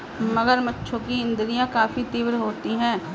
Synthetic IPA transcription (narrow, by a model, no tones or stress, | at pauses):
mɐɡəɾmɐtːʃʰõkiɪ̃nd̪ɾijãkaːfit̪iːʋɾɦoːt̪iɦɛ̃ː